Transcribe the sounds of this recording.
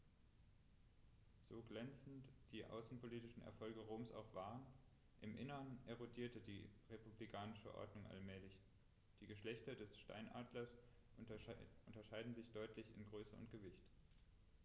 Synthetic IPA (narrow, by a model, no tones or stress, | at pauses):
z̥oːɡlɛnt͡sn̩td̥iːʔa̰ʊsn̩pʰoliːtɪʃn̩ɛ̰ɐfɔlɡəʁoːmsa̰ʊxv̥aːʁən | ʔɪmʔɪnəʁənʔeʁodiːɐtədḭːʁepublikʰaːnɪʃə̰ʔɔ̰ɐdnʊŋʔa̰lmɛːlɪç | d̥iːɡəʃlɛçtɐdɛsʃta̰ɪnʔaːdlɐs | ʊntɐʃaɪdn̩zɪçd̥ɔʏtʰlɪçɪ̰nɡʁøːsəʊ̰ntɡ̥əvɪçt